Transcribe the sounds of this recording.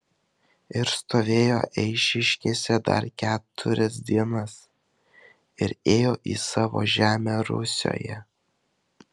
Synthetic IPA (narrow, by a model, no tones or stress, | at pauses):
ɪɾst̪oːʋʲeːjo̰ːʔɛɪʃʲɪʃʲkʲeːsʲɛd̪ɐ̰ɾkʲæːt̪ʰʊɾʲɛs̬d̪ʲiɛnɐs | ɪɾeːjoːʔḭːsɑːʋo̰ːʒʲæːmʲæːɾʊ̰sʲo̰ːjɛ